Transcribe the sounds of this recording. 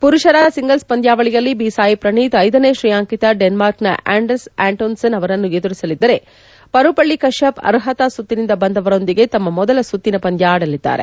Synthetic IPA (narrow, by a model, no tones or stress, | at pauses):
puɾuʂɐɾaːsiŋɡɐlspɐnd̪jaːʋɐɭijɐlːibisaːjipɾɐɳiːt̪ɐjd̪ɐneːʃɾijaːŋkit̪ɐɖenmaːɾknɐ̰ʔaːɳɖɐɾsaːɳʈoːnsɐnɐʋɐɾɐnːued̪uɾisɐlid̪ːɐɾe̞ | pɐɾupɐɭːikɐʂjɐpɐ̰ɾɦɐt̪ɐsut̪ːinind̪ɐbɐnd̪ɐʋɐɾo̞nd̪iɡe̞t̪ɐmːɐmɔd̪ɐlɐsut̪ːinɐpɐnd̪ʱjaːɽɐlid̪ːa̰ːɾe